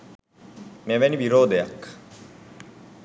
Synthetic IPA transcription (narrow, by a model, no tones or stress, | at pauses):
mevɛnibiɾoːd̪ejak